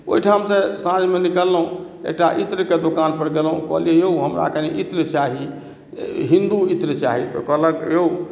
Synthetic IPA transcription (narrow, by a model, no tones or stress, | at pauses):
o̰iʈʰamsesãd͡ʒmenikəlːəɦũ | ḛk̚ʈaʔit̪ɾəked̪okanpəɾɡelɦṵ̃kə̰ɦliejeɦuɦəmɾa̰keniʔit̪ɾət͡ʃaɦi | ɦĩnd̪uit̪ɾt͡ʃa̰ɦit̪ɔ̰kəɦləkeu